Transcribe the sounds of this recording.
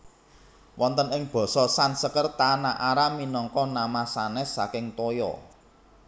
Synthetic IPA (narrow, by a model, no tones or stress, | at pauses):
wɔnt̪ənɪŋb̥ɔ̤sɔsansəkərt̪anaʔaɾaminɔŋkɔnamasanɛsːakɪŋt̪ɔjɔ̰